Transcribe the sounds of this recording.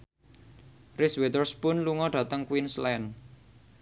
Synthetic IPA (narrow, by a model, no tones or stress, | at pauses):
rɪswet̪ərspʊnluŋɔɖ̥a̤t̪əŋkwinslɛn